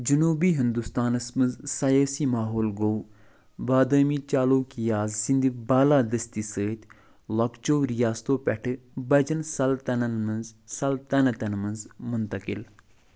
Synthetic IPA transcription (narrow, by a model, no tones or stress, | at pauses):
d͡ʒɨnuːbiːɦind̪ust̪aːnɨsmɨnzsɐjaːsiːmaːɦoːlɡow | baːd̪əːmiːt͡ʃaːloːkijaːzsind̪ibaːlaːd̪ɐst̪isəːt̪ʲ | lɐkt͡ʃoːɾijaːst̪oːpʲɛʈʰɨbɐd͡ʒɐnsɐlt̪ɐnɐnmɐnzsɐlt̪ɐnɐt̪ɐnmɐnzmʊnt̪ɐkɪ̰l